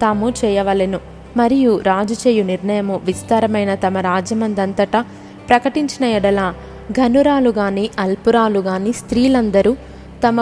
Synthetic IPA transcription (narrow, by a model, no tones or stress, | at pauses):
t̪aːmut͡ʃɛːjɐʋɐlenu | mɐɾijuɾaːd͡ʒɐt͡ʃeːjuniɾɳɐjɐmuʋist̪aːɾɐmɐjnɐt̪ɐmɐɾaːd͡ʒjɐmɐnd̪ɐnt̪ɐʈɐ | pɾɐkɐʈiɲt͡ʃinɐjiɽɐlaː | ɡʱɐnuɾaːluɡaːniːʔɐlpuɾaːluɡaːniːst̪ɾiːlɐnd̪ɐɾu | t̪ɐmɐ